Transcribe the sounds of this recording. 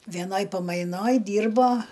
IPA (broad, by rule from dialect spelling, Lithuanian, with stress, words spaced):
ʋʲɛˈnoːj pɐˈmɐɪnoːj ˈdʲiːrboː